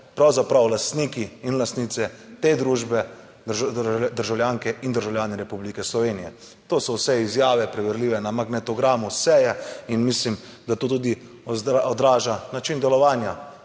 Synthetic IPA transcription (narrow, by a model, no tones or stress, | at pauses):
pɾawzapɾawlast̪nikiinlast̪nit̪sɛt̪ed̪ɾuːʒbɛ | d̪əɾʒawljaːŋkɛʔind̪əɾʒawljaːnɛɾɛpublikɛslɔʋeːnijɛ | t̪oːsɔwsɛizjaːʋɛpɾɛʋɛɾliːʋɛnamaɡnɛt̪ɔɡɾaːmusɛjɛinmislim | d̪at̪oːt̪̬uːd̪i | ɔd̪ɾaːʒanat͡ʃind̪ɛlɔʋaːnja